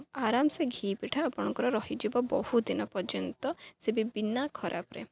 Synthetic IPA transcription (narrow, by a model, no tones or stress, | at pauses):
aɾamseɡʱiːpiʈʰaːpɔɽ̃ɔ̃ŋkɔɾɔɾɔɦid͡ʒibɔbɔhud̪inɔpɔd͡ʒɔnt̪ɔsebibinakʰɔɾʔa̰pɾḛ